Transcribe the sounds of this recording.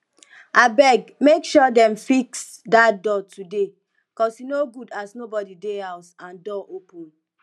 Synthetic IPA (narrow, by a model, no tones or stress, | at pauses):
abɛɡmekʃɔdɛ̃mfiksdadɔtude | bikɔsinoɡudasnobɔdideɛʊsãndɔʔopũn